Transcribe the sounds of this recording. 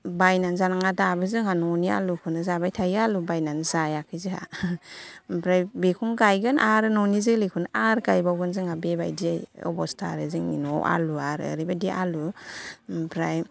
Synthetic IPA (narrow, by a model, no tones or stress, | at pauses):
bajnanzanaŋadabɯzɯŋɦanɔnia̰lukʰunazabajtʰajalubajnanzajakʰɯjzɯha̰ | bɾajbekʰɔŋɡajɡɯnʔaɾɯnɔnizilikʰunaʔaɾkajbawɡɯnzɯŋhabeba̰jdijɔ̰bɔstʰa̰ɾɯzɯŋḭnɔʔa̰luaɾə̰ɾibadiʔalu | pɾaj